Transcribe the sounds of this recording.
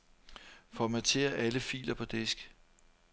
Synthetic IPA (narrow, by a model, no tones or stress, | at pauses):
fɒmæt͡sʰe̝̰ːɐʔæləfḭːlɐpʰɒ̽d̥e̝sɡ̥